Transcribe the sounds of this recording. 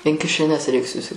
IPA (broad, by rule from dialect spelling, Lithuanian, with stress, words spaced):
ɪn kʲɪʃʲɛˈnʲɛs rʲɛɪk sʊsʲɪ